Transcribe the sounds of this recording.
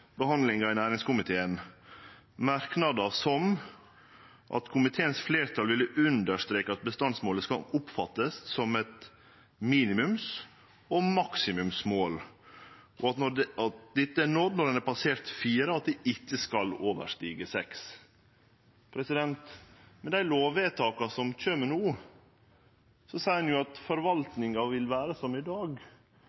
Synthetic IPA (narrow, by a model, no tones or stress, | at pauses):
bəhɑnd̪lɪŋɑɪnæːɾɪŋskʊmɪt̪ʰeːən | mæɾknɑd̪ɑsɔm | ʔɑ̰t̪kʰʊmɪt̪ʰeːənsfleːɾt̪ʰɑlʋɪlːəʔʉnd̪əɾʂt̪ɾeːkəɑt̪̚bəst̪ɑnsmoːləskɑʊpfɑt̪ːəssɔmɛt̪ | miːnɪmʉms | ɔmɑksɪmʉmsmoːl | ʔɔɑt̪nɔɑt̪̚d̪ɪt̪ːəænɔt̪nɔɾənæpʰɑseːɾt̪fiːɾəɑt̪̚d̪ɪʔɪtːəskɑloːʋə̰ʂʈiːɡəsɛks | pʰɾɛsɪd̪ɛnt̪mɛd̪æɪloːʋeːt̪ʰɑːkɑsɔmc͡çøːməɳuː | sɔsæɪnjʊɑt̪fɔɾʋɑlt̪nɪŋɑʋɪlʋæːɾəsɔmɪd̪ɑːɡ